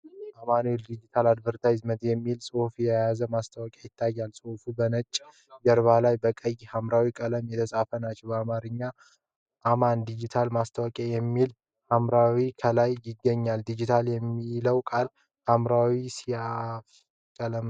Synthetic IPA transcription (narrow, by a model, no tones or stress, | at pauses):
ʔamanld̪id͡ʒit̪ʰalad̪bəɾt̪ʰajzmət̪jɛmːilsʼohfjɛjazəmast̪ʰəwɔkʼjajɪt̪ʰːajːalsʼohfubənət͡ʃʼː | ɡəɾβalajbəkʼəjhamɾawikʼələmjɛt̪ʰəsʼafənat͡ʃːɛwbəamaɾɨɲːa | ʔamand̪id͡ʒit̪ʰalmast̪ʰəwəkʼjajɛmːil | hamɾawikʰəlajːɪɡːəɲːald̪id͡ʒit̪ʰaljɛmːiləwkʼal | hamɾawisiaf | kʼələm